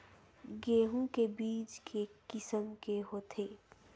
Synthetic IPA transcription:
ɡeːɦũkebiːt͡ʃkʰekɪsəmkeɦot̪ʰeː

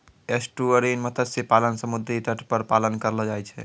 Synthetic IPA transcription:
esʈuəɾinmət̪ʰət̪sepalənsəmud̪ʱɾit̪əʈʰpəɾpalənkəɾlɔd͡ʒajt͡ʃʰɛ̰

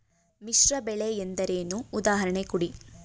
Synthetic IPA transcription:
miʃɾɐbɛɭeend̪ɐɾeːnuːd̪aːɦɐɾɐɳekuɽi

